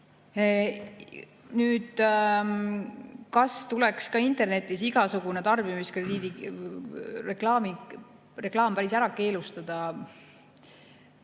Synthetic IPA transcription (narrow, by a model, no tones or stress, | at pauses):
nyːd̪̥ | kɑst̪ulɛkskɑint̪e̞rne̞t̪ːˑisiɡ̥ɑsuɡ̥une̞t̪ɑrb̥imiskre̞d̪iːd̪i | re̞klɑːmi | re̞klɑːmpæɾisæɾɑke̞ːlust̪ɑd̪̥ɑ